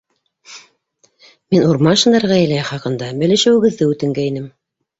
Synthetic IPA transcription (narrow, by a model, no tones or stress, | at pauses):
minuɾmɑʃɤ̆nd̪ɑɾʁɑæ̆læχɑqɤ̆nd̪ɑbɘ̆lɘ̆ʃɘ̆wɘ̆ɡɘ̆ðːɘʉt̪ɘ̆ŋɡæinɘm